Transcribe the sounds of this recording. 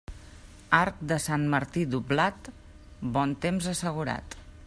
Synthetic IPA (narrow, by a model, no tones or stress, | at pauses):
aɾk̚d̪əsanməɾt̪id̪ublat̪ | bɔnt̪emzəsəɣ̞uɾa̰t̪